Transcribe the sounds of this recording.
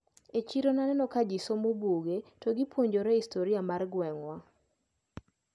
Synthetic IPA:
et͡ʃiɾonanɛnɔkad͡ʒisomobuɡetoɡipʰwoɲd͡ʒoɾɛistoɾiamarɡwɛŋwa

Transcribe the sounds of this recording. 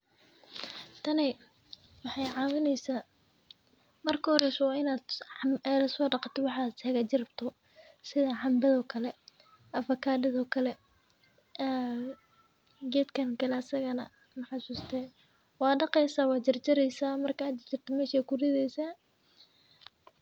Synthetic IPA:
t̪ʰɐnɛ | wɑħɑjʕɑːwɪnɛjsaː | mɐrkʰɐhɔɾɛsɔwɑːɪnaːd̪ɛlɐsɔːɖɑqɑt̪ʰɔwɑħɑːd̪hɛɣɐt͡ʃɪrbt̪ʰɔ | sɪðɐʕɑmbɐðɔːkʰɐlɛ | ʔɐfɐkʰaːdɐðɔːkʰɐlɛ | ɡɛːd̪t̪kʰɐnkʰɐlɛɐsɐɣɐnɐ̰ | mɑħɑsuːst̪ʰɛ | wɑːɖɑqɛjsaːwɑːt͡ʃɐrt͡ʃɐɾɛjsaːmɐrkɐɐd̪t͡ʃɪrt̪ʰɔmɛːʃɛːkʰʊrɪðɛjsaː

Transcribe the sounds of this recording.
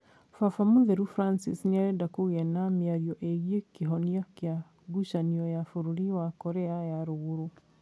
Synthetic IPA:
fafamuðɛɾufɾansḭsniaɾɛdakoɣɛnamiaɾiɔʔeɣiekeɦɔniakja | ɡuʃaniɔjafuɾuɾiwakɔɾɛajaɾoɣuɾu

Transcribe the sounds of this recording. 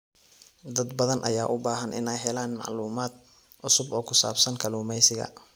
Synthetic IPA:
d̪ɐd̪bɐðɐnʔɐ̰jaːʔʊbaːɦɐnʔɪ̰nɛjɦɛlaːnmɑ̰ʕluːmaːd̪̚ | ʔʊsʊbɔːkʰʊsa̰ːbsɐnkʰɐluːmɛjsɪɣɐ̰

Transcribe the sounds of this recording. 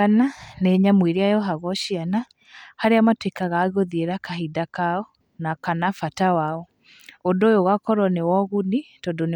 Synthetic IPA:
ananeɲamwiɾiajɔɦaɣɔɕiana | haɾeamatwekaɣaːɣoðieɾakaɦidakaɔ | nakanafatawaɔ | odojoɣakɔɾɔnewɔɣunitɔdon

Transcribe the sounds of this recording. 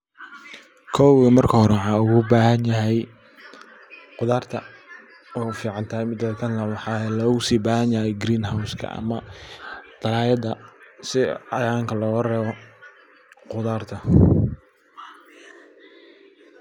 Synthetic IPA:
kʰɔwɐmɐrkʰɐhɔɾɛʕɑːʊɣʊbaːɦɐnjɐɦɛj | qʊðaːrt̪ʰɐ | ɔfiːʕɑnt̪ʰɐːhɛjmɪd̪ɔːd̪kʰɐnlɐwɑħɑːlɔːɣʊsiːbaːhɐnjɐhɛjɡɾiːnɦawskʰɐ̰ʔɐ̰mɐ | d̪̥ɐlaːjɐd̪ɐsɪɑ̰jaːŋkʰɐlɔːrɛːβɔ | qʊðaːrt̪ʰɐ

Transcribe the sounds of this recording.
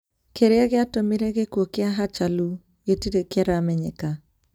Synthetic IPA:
keɾɪaɣɪatomiɾeɣekwokɪaɦat͡ʃalu | ɡetiɾekaɾamɛɲɛ̰ka

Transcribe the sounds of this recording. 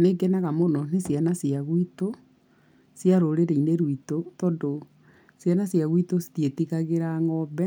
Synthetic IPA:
neɡɛnaɣamonɔnesjanasiaɣwito | sjaɾoɾeɾeineɾwitotɔːndo | sjanasjaɣwitosi̥tietiɣaɣeɾaŋɔbɛ

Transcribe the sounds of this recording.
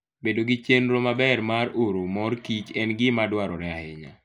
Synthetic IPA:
bedoɡɪt͡ʃenɾomabɛrmaroɾomɔrkit͡ʃɛnɡɪmadwaɾɔɾɛahɛɲa̰

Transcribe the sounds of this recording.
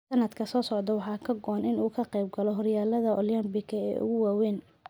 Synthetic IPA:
sɐnɐd̪kʰɐsɔːsɔʕd̪ɐwɑħɑːkʰɐɡɔːnɪnuːkʰɐqɛjb̚ɡɐlɔɦɔrjaːlɐðɐʔɔljɐmbɪkʰɐɛ̰ːʔʊ̰ɣʊwaːwɛːn

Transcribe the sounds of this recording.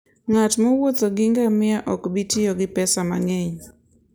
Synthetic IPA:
ŋatmɔwot̪oɡɪŋɡamɪaʔɔkbitɪɔɡɪpɛsamaŋeɲ

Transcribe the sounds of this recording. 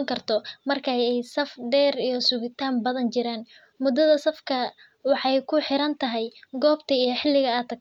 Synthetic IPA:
ŋkʰɐrt̪ʰɔmɐrkʰajɛjsɐfɖɛːrijɞsʊɣɪt̪ʰaːmbɐðɐnt͡ʃɪɾaːn | mʊd̪ɐðɐsɐfkʰɐ | wɑħɑjkʰʊħɪɾɐnt̪ʰɐɦɛjɡɔːbt̪ʰɐijɞħɪlːɪɣɐɐt̪ʰɐk̚

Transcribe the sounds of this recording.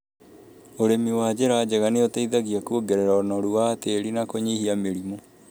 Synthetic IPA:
oɾemiwaːd͡ʑeɾad͡ʑɛɣaneotaiðaɣiakuoɡɛɾɛɾaɔnɔɾuaːteɾinakoɲihiameɾimo

